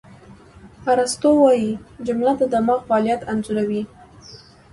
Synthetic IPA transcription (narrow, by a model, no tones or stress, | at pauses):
aɾast̪owɑjid͡ʒʊmlad̪əd̪amɑxfalijat̪anzuɾawi